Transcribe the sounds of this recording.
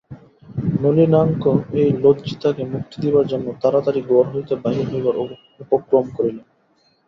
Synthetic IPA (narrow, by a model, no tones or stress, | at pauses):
nolinaŋkoejlodd͡ʑit̪akemukt̪id̪ibaɾd͡ʑonːot̪aɾat̪aɾiɡoɾɦojt̪ebaɦiɾɦojbaɾ | upokɾomkoɾile